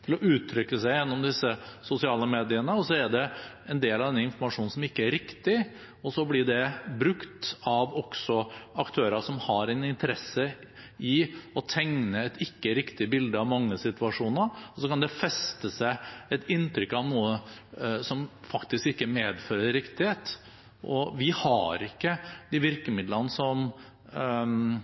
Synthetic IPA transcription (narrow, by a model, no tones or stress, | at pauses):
t̪ʰɪlɔʔʉːt̪ʰːɾʏkːəsæɪjɛnːɔmd̪ɪsːəsʊsɪɑːləmeːd̪ɪənəɔsɔæɖɛ | ɛnd̪eːlɑʋd̪ɛnːəɪnfɔɾmɑʂuːn̩sɔmɪkːəæɾɪkt̪ɪ | ɔsɔblɪɖɛbɾʉkt̪ɑʋɔksɔɑkt̪ʰøːɾəʂɔmhɑɾɛnɪnt̪əɾɛsːəɪɔt̪ʰɛŋnəɛt̪ɪkːəɾɪkt̪ɪbɪld̪əɑʋmɑŋːəsɪt̪ʉɑʂuːnəɾɔsɔkɑnd̪ɛfɛst̪əsæɪɛt̪ɪnt̪ɾʏkːɑʋnuːəsɔmfɑkt̪ɪskɪkːəmeːd̪føːɾəɾɪkt̪ɪheːt̪ | ʔɔʋɪhɑ̰ɾɪkːəd̪ɪʋɪɾkəmɪd̪lənəsɔm